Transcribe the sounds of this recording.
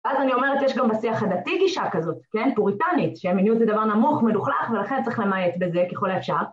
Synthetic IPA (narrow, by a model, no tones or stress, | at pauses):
veazanio̞me̞ʁet̪jeʃɡambasiaχad̪atiɡiʃakazo̞tke̞nbuʁitanitʃeaminjuedzedavaʁnamuχmeluχlaχve̞laχe̞nt͡sʁiχlemajetbeze̞keχolaefʃaʁ